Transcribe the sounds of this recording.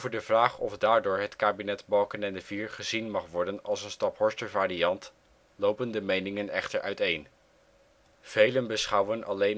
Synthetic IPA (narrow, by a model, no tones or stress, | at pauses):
vəɹdəvraːχɔfdaːɹdʊːɹɦətkaːbinɛtbɑlˠkənɛndəviːɹχəzinmɑχʋɔɹdənɑ̰lˠsənstɑpɦɔɹstəɹvaːɾiɑnt | lowpəndəmejnɪŋənɛχtəɹʔœ̰ɥtejn | v̥ejlənbəsχʌwənɑlejn